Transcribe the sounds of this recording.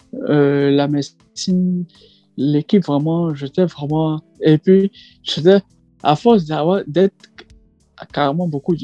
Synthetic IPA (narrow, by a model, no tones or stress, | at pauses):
ølamɛ | sin | lekipvʁɛmɑ̃ʒət̪ɛvʁɛmɑ̃epɥi | ʒ̥et̪ɛ | a̰fɔs̬d̪avwad̪ɛt̪ | kaʁemɑ̃bokud̪